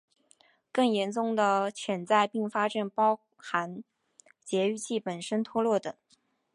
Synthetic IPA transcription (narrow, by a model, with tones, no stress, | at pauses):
kɤ˥˩ŋjɛ˧˥nt͡sʊ˥˩ŋd̪ə˩t͡ɕʰjɛ˧˥nt͡sa˥˧ɪpi˥˩ŋfa˥ʈ͡ʂa˨˩npɑ˥ʊ | xa˧˥n | t͡ɕjɛ˧˥y˥˧t͡ɕʰi˥˩pə˨˩nʂə˥nt̪ʰwɔ˥lwɔ˥˩t̪ɤ˨˩˦ŋ